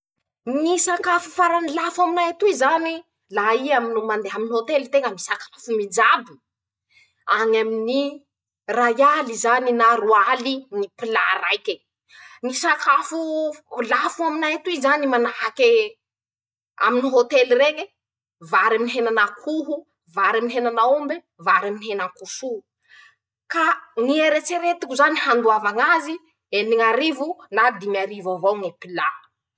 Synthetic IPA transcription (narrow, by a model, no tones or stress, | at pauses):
nisakafufaɾanlafaminajat̪uizani | laiaminimand̪eɦaminihot̪elit̪eŋəmisakʰafumid͡ʒabi̥ | aŋamini | rajalizaninaɾualinipila̰ɾajkʲe | nisakʰafulafuaminajt̪uizanimanaɦakʲe | a̰miniɦot̪eliɾeŋe | vaɾaminiɦenanakʰuɦu | vaɾaminiɦenanaombe | vaɾaminiɦenaŋkusu | kaŋieɾet͡seɾet̪i̥kuzanihand̪uavaŋazi | eniŋaɾivunad̪imiaɾivavowŋepila̰